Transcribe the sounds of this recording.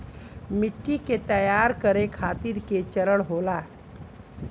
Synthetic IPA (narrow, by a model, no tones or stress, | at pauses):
miʈːiket̪əjaɾkəɾekʰat̪iɾket͡ɕəɾəɽɦola